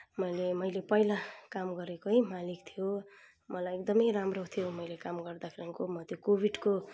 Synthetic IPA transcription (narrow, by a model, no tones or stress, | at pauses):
mʌjlemʌjlepʌjlakamɡʌɾekoɦimalik̚t̪ʰijo | mʌlajek̚d̪ʌmʌjramrot̪ʰijomʌjlekamɡʌrd̪akʰeɾʌŋkomʌt̪jokobʱiɖko